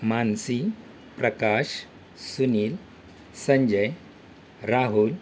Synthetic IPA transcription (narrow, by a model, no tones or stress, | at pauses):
mansi | pɾəkaɕ | suniːl | səɲd͡ʑəj | ɾaɦul